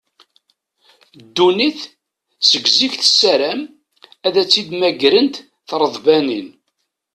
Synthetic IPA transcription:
d̪ːuniθ | səɡziçθə̥sːæɾæm | æðæt͡sːid̪mæɡɾənt̪ | θɾˤəðˤbænin

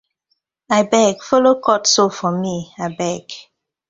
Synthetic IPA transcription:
aɪbɛɡfolokɔtsofɔmiaɪbɛɡ

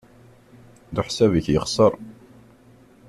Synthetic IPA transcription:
ðuħsævəçjəχsˤəɾˤ

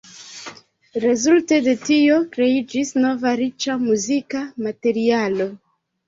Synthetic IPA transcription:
ɾe̞zulte̞de̞tio̞kɾe̞id͡ʒisno̞vaɾit͡ʃamuzikamate̞ɾialo̞

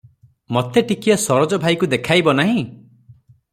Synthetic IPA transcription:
mɔt̪eʈikijɔsɔɾɔd͡ʒɔbʱajkud̪ekʰajbɔnaɦĩ

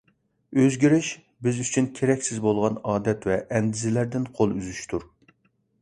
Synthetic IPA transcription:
øzɡʲiɾɪʃ | bɪzyt͡ʃʰynkʲʰeɾɛkʲsɪzbolˠʁɑnɑːd̪ɛt̪vɛʔɛnd̪ɪzɪlæɾd̪ɪnqʰolˠyzyʃt̪ʰuɾ

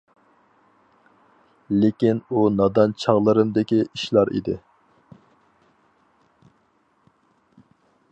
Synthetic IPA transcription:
lekʲinunɑd̪ɑnt͡ʃʰɑʁlˠɨɾɨmd̪ɪkʲiiʃlˠɑɾḭd̪ɪ

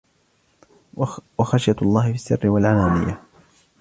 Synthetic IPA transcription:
waxaʃjalˤːɑːhɪfisːɪrːɪwalʕalaːmɪ̰ja

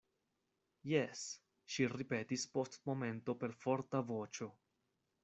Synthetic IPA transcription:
jes | ʃiɾipe̞tispo̞stmo̞me̞nto̞pe̞ɾfo̞ɾtavo̞t͡ʃo̞

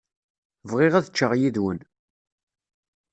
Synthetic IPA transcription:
vʁɪʁæðət͡ʃːəʁjiðwən

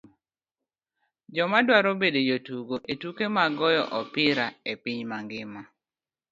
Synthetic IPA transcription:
d͡ʒɔmadwaɾobedejotuɡoʔetukemaɡɔjɔ̰ʔɔpɪɾaepiɲmaŋɡɪma

